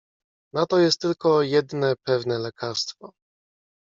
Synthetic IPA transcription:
nat̪ɔjɛst̪ːɘlkɔjɛd̪nɛpɛvnɛlɛkʰaɾst̪fɔ

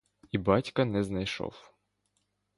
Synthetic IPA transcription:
ibɑtʲkɐnɛznɐjʃɔ̰w

